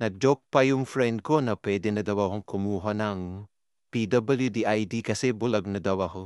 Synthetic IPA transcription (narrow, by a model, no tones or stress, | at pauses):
nɐd͡ʒok̚pajumpʰɾendkonɐpedinɐdɐwaɦɐŋkʰumuɦonaŋu | pidɐbɐljudiajdikɐsebulɐɡnɐdɐwaɦo